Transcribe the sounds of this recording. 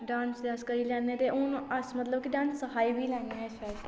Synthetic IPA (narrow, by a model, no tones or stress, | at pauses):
ɖãːnsd̪eəskəiːlɛːnːeːt̪eːʊnəsmət̪ləb̚kɪɖãːnsːəɦaːiːbʱiːlaːniãɪsʋɛːl